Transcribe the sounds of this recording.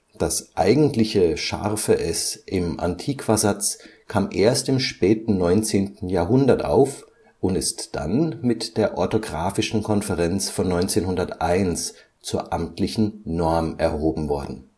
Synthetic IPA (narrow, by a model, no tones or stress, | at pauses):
d̥asʔaɪɡŋ̩tlɪçəʃa̰ʁfəʔɛsʔɪmʔa̰ntʰiːkv̥azat͡skʰaːmʔeːɐstɪmʃpɛːtn̩nɔʏnt͡seːntn̩jaːɐɦʊndɐtʔa̰ʊf | ʔʊntɪstd̥a̰nmɪtd̥eːɐʔɔɐtoɡʁaːfɪʃn̩kʰɔnfɛʁɛnt͡sfɔnːɔʏnt͡seːnhʊndɐtʔaɪns | t͡suːɐʔamtʰlɪçn̩nɔɐmʔɛɐhoːbm̩vɔɐdn̩